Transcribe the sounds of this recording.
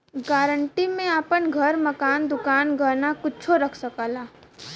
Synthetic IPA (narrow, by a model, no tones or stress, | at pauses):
ɡaːɾəɳʈimẽaːpənɡʱəɾmɐkaːnd̪ʊkaːnɡʱəɾnakʊt͡ʃʰoɾɐkʰsəkaːlaː